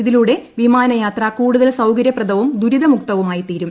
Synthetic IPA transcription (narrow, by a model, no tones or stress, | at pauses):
iðiluɽe̞ʋimaːnɐjaːt̪rɐkuːɽuðɐlsɐwkɐɾjɐprɐd̪ɐʋɐmd̪ʱuɾiðɐmuk̚t̪ɐʋumaːjit̪iːɾum